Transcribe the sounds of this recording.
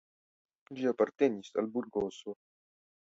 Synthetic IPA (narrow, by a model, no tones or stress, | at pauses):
d͡ʒiapart̪ɛnisa̰lburɡoːso